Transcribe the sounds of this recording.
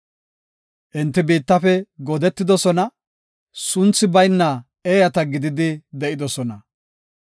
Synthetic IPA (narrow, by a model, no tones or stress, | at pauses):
ʔɪnt̪ːɪbiːt̪ːɐfɛɡɔd̪ɛt̪ːɪd̪ɔsɔnɐ | sʊnt͡sːɪbɐjnːɐ | eːjɐt̪ɐɡɪd̪ɪd̪ɪd̪ɛʔɪd̪ɔsɔnɐ